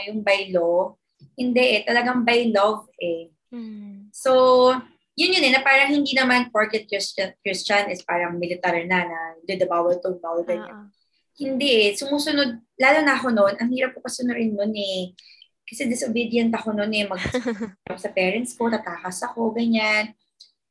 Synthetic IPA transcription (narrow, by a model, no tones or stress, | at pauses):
jʊŋbɐjlo | hɪnd̪ɛʔɛt̪ɐlɐɡaŋbɐjlovʔɛ | so̞ | jʊnjʊnɛnɐpaːɾɐŋhɪnd̪inɐmanpoɹkɛt̪̚kɪst͡ʃɐkɹɪst͡ʃɐnɪspaːɾɐŋmɪlɪt̪aɹnɐnɐd̪ud̪ɐbaːwɐlt̪ʊbawlɡɐɲa̰n | hɪnd̪ɛʔsʊmuːsʊnod̪̚laːlonɐʔɐxo̞no̞nʔɐŋhiːɾɐp̚kokɐsʊnʊɾɪnːonɛ | kɐsɛd̪ɪsobid̪ɪjɐnt̪ɐkononɛmɐɡ̚ɾɐp̚sɐpɛːɹɛnt̪sko̞nɐɡ̚kakasɐko̞ɡɐɲan